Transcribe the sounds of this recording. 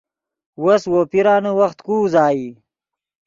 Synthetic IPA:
woswopiɾaːnəwɐxt̪kuːzaːi

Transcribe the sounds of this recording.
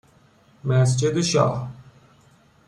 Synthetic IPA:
mɛːs̬d͡ʒed̪ʃa̰ːɦ

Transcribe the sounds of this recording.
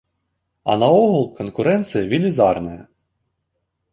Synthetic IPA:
ɐ̰nɐɔɦɔlˠkɔnkʊɾɛnt̪sɨjɐʋʲilʲizɑrnɐjɐ

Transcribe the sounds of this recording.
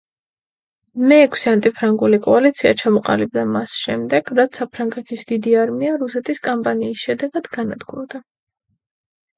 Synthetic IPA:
mɛːkʰsiant̪ʼipʰɾaŋɡulikʼɔalit̪sʰiat͡ʃʰamɔqʼa̰libd̪amasʃɛmd̪ɛɡ̥ɾat̪sʰapʰɾaŋɡɛt̪ʰisd̪id̪iaɾmiaɾusɛt̪ʰiskʼɔmpʼaniːsʃɛd̪ɛɡad̪ɡana̰d̪ɡd̪a

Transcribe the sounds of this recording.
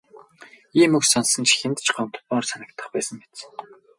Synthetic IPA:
iːmɵksɔnsɞ̆nt͡ɕʰixʲĕnt̪t͡ɕɢɔm̥t̪̆̚ɔːrsanə̆kt̪ə̆χpæːsə̆mpet͡s

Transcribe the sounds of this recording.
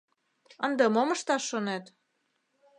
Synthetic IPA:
ənd̪emoməʃt̪ɑʃːonet̪

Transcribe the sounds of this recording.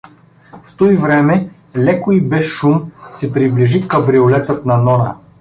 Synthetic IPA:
ft̪ɔivɾɛmɛ | lɛkʊibɛʃʃumsɛpɾibliʒikɐbɾiolɛt̪ət̪nɐnɔnə̰

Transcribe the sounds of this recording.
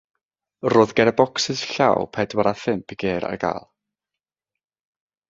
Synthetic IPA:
roːðɡɛɾəbɔksɪsɬa̰wpʰɛdwaɾaθɪmpʰiɡeːɾa̰rɡa̰ːlˠ

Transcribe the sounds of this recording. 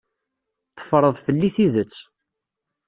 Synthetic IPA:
θə̥fɾˤəðˤfəlːiθiðət͡sː

